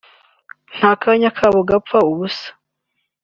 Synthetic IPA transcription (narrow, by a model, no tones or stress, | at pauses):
n̥haːkaɲakʰaβoɡapfauβusḁ